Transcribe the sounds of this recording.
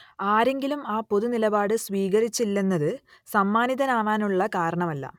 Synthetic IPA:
aːɾe̞ŋɡilumaːpo̞ðunilɐbaːɽɨsʋiːɣɐɾit͡ɕːilːenːɐðɨ | sɐmːaːniðɐnaːʋaːnuɭːɐkaːɾɐɳɐmɐlːɐ̰

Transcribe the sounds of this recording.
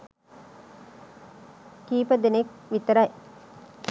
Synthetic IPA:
kiːpəd̪enekʋit̪əɾɐj

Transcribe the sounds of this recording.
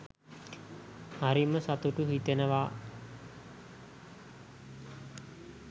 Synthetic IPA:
haɾiməsat̪uʈuɦit̪enəʋa

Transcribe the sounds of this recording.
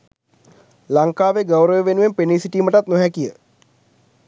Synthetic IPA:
laŋkaːʋeɡəwɾəʋeʋenuʋempeniːsiʈiːməʈat̪noɦɛkijə

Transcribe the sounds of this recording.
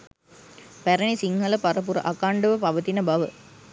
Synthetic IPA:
pæɾənisiŋhɐlɐpɐɾəp̬uɾə̰ʔɐkaːɳɖəʋəpɐʋət̪inəbɐʋə

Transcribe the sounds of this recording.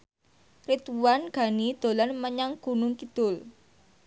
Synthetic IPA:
rit̪uwanɡ̥a̤nid̪̥o̤lanməɲaŋɡ̥ṳnʊŋkid̪̥ʊl

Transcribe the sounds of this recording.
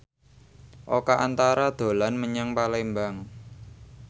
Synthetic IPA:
ʔokaʔant̪aɾad̪̥o̤lanməɲaŋpalembaŋ

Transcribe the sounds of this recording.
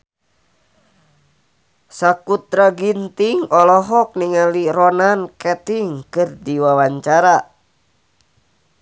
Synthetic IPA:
sakut̪ɾaɡint̪iŋɔlɔɦɔk̚niŋaliɾɔnankɛt̪iŋkɨrdiwawaɲt͡ʃaɾa

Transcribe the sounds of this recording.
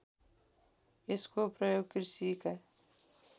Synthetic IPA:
ɪskopɾəjoːɡ̚kɪɾsikɛ

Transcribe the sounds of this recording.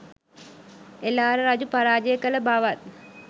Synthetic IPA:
elaːɾəɾad͡ʒupaɾaːd͡ʒəjəkələbaʋat̪̚

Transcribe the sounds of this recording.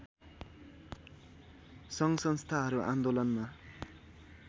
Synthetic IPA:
sʌŋsʌŋst̪ʰaɦʌɾuʔand̪olʌnma

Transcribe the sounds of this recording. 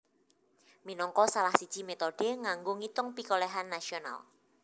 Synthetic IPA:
minɔŋkɔsalahsid̥ʒ̥i̤met̪ɔɖ̥eŋaŋɡoŋit̪ʊŋpikolɛɦanːasiona̰l

